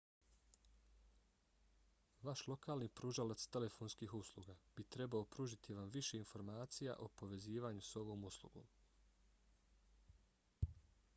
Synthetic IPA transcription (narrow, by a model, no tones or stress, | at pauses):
ʋaʃlˠo̞kaːlnipɾuːʒalat̪st̪e̞le̞foːnskiːɦuslˠuɡab̥it̪ɾe̞baopɾuːʒit̪ʰiʋamʋiʃe̞info̞ɾmaːt̪sija̰ʔopo̞ʋe̞ziːʋaːɲuso̞ʋo̞ːmuslˠṵɡo̞̰ːm